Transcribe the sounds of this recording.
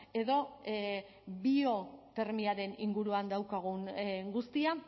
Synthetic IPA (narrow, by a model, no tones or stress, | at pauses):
e̞ðo̞ | bio̞t̪e̞ɾmiaɾe̞niŋɡuɾuand̪awkaɣ̞uŋɡust̪ia